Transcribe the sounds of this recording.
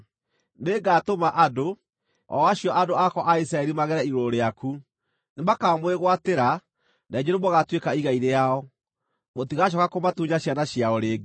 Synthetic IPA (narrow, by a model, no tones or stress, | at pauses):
neɡaːtomaʔado | ɔ̰aɕjɔʔadoakɔʔais̬ɾaɛɾimaɣɛɾɛiɾoɾeaku | nemakaːmweɣwateɾa | nɛd͡ʑeɾomoɣatwekaiɣaiɾejaɔ | motiɣaʃ̬ɔɣakomatuɲaɕjanaɕjaoɾeːɡe